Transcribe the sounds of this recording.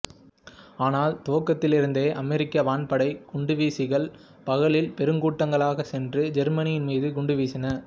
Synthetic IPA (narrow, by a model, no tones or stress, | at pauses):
aːnaːlt̪oːkːɐt̪ːɪlɪɾɯnd̪eːʔɐmɛɾɪkːɐʋaːɳpɐɽɐɪɡ̥ʊɳɖɯʋiːsɪɣɐɭ | pɐɣɐɭɪlpɛɾɯŋɡuːʈːɐŋɡɐɭaːɣɐsɛndrɯd͡ʒɛɾmɐnɪjɪnmiːðɯkʊɳɖɯʋiːsɪnɐ